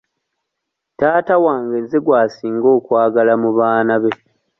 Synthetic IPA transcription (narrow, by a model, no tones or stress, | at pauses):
taːtawaːŋɡezeɡwaːsiːŋɡo̞ːkwaːɡalamuβaːnaβe̞